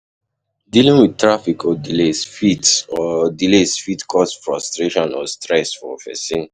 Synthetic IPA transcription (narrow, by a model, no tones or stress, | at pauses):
dilĩŋwid̚tɹafikʰɔdilesfitsɔdilesfitkʰɔsfɹɔstɹeʃɔ̃nɔstɹɛsfɔ̰vɛ̰sĩn